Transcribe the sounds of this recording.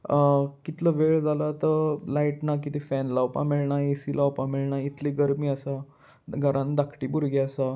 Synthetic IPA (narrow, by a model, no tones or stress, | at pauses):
kit̪ləʋeɭd͡zʱalat̪əlaiʈnak̬it̪ifɛnlawpã̰miɭɳaesilawpãmeɭɳait̪liɡəɾmiːəsa | ɡʱəɾʔãnd̪akʰʈiːbuɾɡɛəsa